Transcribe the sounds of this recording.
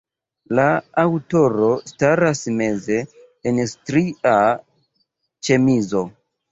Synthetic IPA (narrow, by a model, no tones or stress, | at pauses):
laːwto̞ɾo̞staɾasme̞ze̞ː | nstɾia | t͡ʃe̞mizo̞